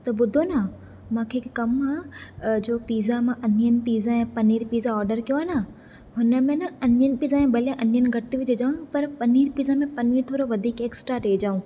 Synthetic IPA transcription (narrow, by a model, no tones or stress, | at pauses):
t̪ɐbʊd̪ʱonɐ | mãːkʰeːkɐmãd͡ʑoːpiːzamãʔɐnijənɪ̆piːzãɛ̃ːpɐniːɾpiːzaɔːɾɖəɾkijoaːna | ɦʊnə̆mẽnɐɐniənɪ̆piːzaːẽbʱɐljãʔɐnijənɪ̆ɡʱɐt̪iʋɪd͡ʑed͡ʑaːɦũpɐɾpɐniːɾpiːzamẽpɐniːɾt̪ʰoːɾoʋɐd̪ʱiːkeːksʈɾaʈeːd͡ʑaːũː